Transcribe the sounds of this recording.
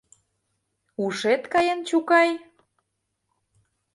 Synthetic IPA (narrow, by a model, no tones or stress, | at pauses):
uʃet̪kɑjent͡ɕukɑj